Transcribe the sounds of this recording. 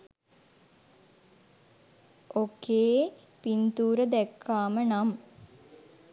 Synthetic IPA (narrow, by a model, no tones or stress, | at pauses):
okeː | pint̪uːɾəd̪ɛkʰːaːmənam